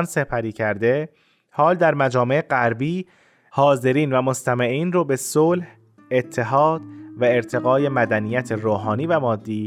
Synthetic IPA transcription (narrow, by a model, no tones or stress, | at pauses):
nse̞pʰæɾiːcʰæɾd̪e̞ | hɒːld̪æɾmæd͡ʒɒːmeeɢæɾbiː | hɒːze̞ɾiːnvæmost̪ʰæmeʔiːnroːbe̞soːlh | et̪ʰːe̞ɦɒːd̪̥væe̞ɾt̪ʰe̞ɣɒːje̞mæd̪ænijæt̪ʰeɾoːɦɒːniːvæmɒːd̪ːiː